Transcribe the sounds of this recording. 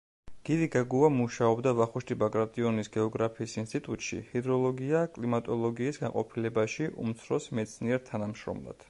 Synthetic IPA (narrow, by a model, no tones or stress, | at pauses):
ɡ̥iɾiɡaɡuamuʃaɔbd̪avaχuʃt̪ʰʼibakʼɾat̪ʼiɔnisɡɛɔɡɾapʰiːsinst̪ʼit̪ʼut̪ʼʃḭhid̪ɾɔlˠɔɡiakʼlimat̪ʼɔlˠɔɡiːsɡanqʼɔpʰilɛbaʃiʔṵmt̪sʰɾɔsmɛt̪sʰniɛɾt̪ʰanamʃɾɔ̰mlˠa̰d̪̥